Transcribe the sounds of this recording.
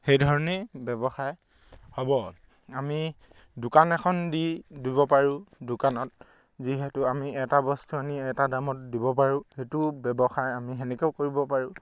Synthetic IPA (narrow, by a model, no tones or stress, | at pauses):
xejdʱɔɹɔnebɛbɔxaj | hɔbɔ | ami | dʊkanɛkʰɔndidibɔpaɹʊ̃dʊkanɔt̚ | ziɦɛtʊamiɛtabɔstuaniɛtadamɔtdibɔp̬aɹʊ̃hetʊbɛbɔxajamiɦɛnɛkeʊkoɹibɔpaɹʊ̃